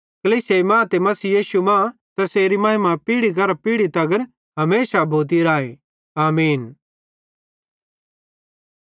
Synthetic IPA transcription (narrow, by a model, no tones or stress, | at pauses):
kɐliːsemãːt̪emɐsiːjiːʃumãt̪ɛseːɾimɐːɦɪmapiːɽiɡɐɾapiːɽit̪ɐɡəɾ | ɦɐmeːsabʱoːt̪̬iɾaːe | aːmiːn